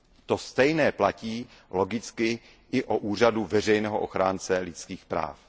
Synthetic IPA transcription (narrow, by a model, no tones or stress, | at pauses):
t̪o̞st̪ɛjnɛːplaciːlo̞ɡɪt͡skɪ | ʔɪʔoʔuːr̝aduvɛr̝ɛjnɛːɦoʔoxɾaːnt͡sɛlɪt͡skiːxpɾa̰ːf